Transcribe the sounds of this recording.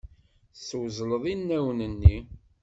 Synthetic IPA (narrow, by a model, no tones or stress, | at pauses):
swzləðˤinːæwnənːi